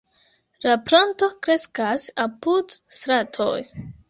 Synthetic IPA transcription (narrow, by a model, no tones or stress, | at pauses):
lapɾanto̞kɾe̞skasapudsɾatʰo̞̰j